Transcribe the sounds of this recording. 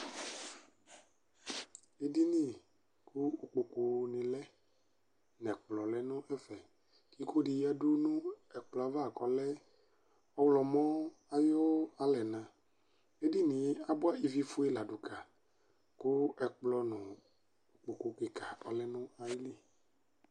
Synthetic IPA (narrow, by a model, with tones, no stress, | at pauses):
e˦di˦nĩ˦˨ | kʰu˦o˨k͡po˨ko˨nĩ˨lɛ˦ | nɛ̃˨k͡plɔ˨lɛ˦nʊ̃˦ʔɛ˦fɛ˨ | ki˦ko˦ɖi˨ja˦du˦nũ˦ɛ˨k͡plɔ˨a˨va˦a˨kɔ˨lɛ˦ | ɔ˦wlɔ˨mɔ̃˦a˦jɔ˦wo˦a˦lɛ˨nã˨ | e˦di˦nĩ˨˦a˦bɔ˦a˦i˦vi˦fu˦ɛ˦la˨ɖu˨ka˨ | ku˦ɛ˨k͡plɔ˨nʊ̃˨ | o˨k͡po˨ko˨ke˨ka˨ɔ̰˨lɛ˦nʊ̃˦a˨ji˦li˦